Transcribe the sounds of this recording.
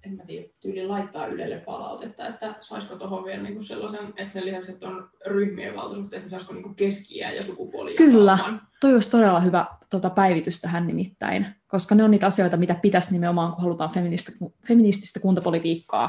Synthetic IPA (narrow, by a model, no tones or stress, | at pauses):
emmæt̪iːjæt̪yːlillɑit̪ːɑ̰ːʔylḛlːeppɑ̰lɑ̰ut̪et̪ːɑet̪ːæsɑiskot̪ohoʋʋielniːŋkusselːɑsenet̪selisɑkset̪ːon | ryhmiḛʋʋɑ̰lt̪ɑsuht̪eet̪nesɑiskoniːŋkukeskiæ̰ːjɑ̰sukupo̰ljkylːænt̪oiosʲt̪odelːɑhyʋæt̪ot̪ɑpæiʋit̪yst̪æɦænnimit̪ːæ̰inkoskɑneoniːt̪ɑsioit̪ɑmit̪æpit̪æsnimeomɑːŋkuhɑlut̪ɑːnfeminist̪ɑkufeminist̪i̥st̪ækunt̪ɑpolit̪iːkːɑ̰ː